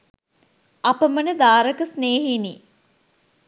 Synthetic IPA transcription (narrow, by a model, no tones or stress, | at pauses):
ɐpəmənəd̪aːɾəkəsneːɦiniː